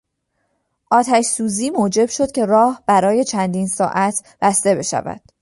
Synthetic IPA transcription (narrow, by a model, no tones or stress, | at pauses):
ʔɒːt̪ʰæʃsuːziːmoːd͡ʒe̞b̥ʃo̞d̪̥̚cʲʰe̞rɒːhb̥æɾɒːje̞t͡ʃʰænd̪iːnsɒːʔæt̪ʰb̥æst̪e̞be̞ʃæ̰væ̰d̪̥